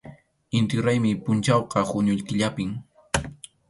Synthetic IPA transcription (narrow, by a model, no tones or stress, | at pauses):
ɪnt̪oɾajmɪpʊnt͡ʃawqɑhʊɲʊʎkɪʎapɪm